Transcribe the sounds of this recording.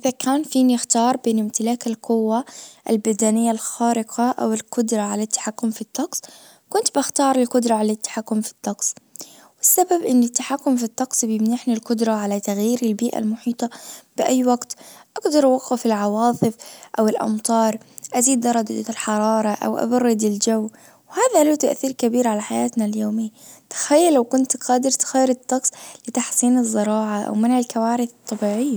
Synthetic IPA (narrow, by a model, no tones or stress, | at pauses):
ʔɪðakʰaːnfiːnɪxt̪ɑːɾˤbeːnɪmt̪ɪlaːkalqʊwːaʔa̰lbad̪aːnɪjːalxaːɾɪqʰaʔa̰wɪlkʊd̪ɾˤɑʕalat̪ːḁħakːʊmfit̪ːɑqsˤ | kʊnt̪baxt̪ɑːɾˤɪlqʊd̪ɾˤɑʕalat̪ːḁħakːʊmfi̥t̪ːɑqsˤ | wɪsːababʔɪnːɪt̪ːaħakːʊmfit̪ːɑqsˤbjɪmnaħnilqʊd̪ɾˤɑʕalat̪aɣjiːɾɪlbiːʔa̰lmʊħiːt̪ˤɑb̥ɪʔajːwaɡt̪ʔaɡd̪ɑɾˤʔwaqːɪfɪlʕɑwɑːt̪ˤɨfʔawɪlʔɑ̰mt̪ˤɑːɾˤʔaziːd̪ːɑɾˤɑd̪alħɑɾˤɑːɾˤɑʔa̰wʔa̰bɑrˤːɪd̪ɪld͡ʒawː | whaːðalut̪aʔθiːɾkabiːɾʕalaħajaːt̪naljoːmɪjːt̪ɪ̥xajːalːawkʊnt̪qɑːd̪ɪɾt̪xajːɾɪt̪ːɑqsˤlɪt̪aħsˤiːnɨzˤːɨɾˤɑːʕaʔa̰wmanʕɪlkawaːɾɪθt̪ˤːɑbiːʕɪjːa